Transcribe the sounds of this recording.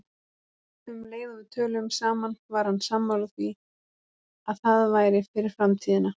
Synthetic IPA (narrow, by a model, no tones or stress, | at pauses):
ʏmleːjðaðɪt̪ʰœːlʏmsaːmanvaɾ̥hanːsamːalɣθvi | aðθaðvaːjɾɪfɪɾɪɾ̥fɾamt̪ʰiːðɪna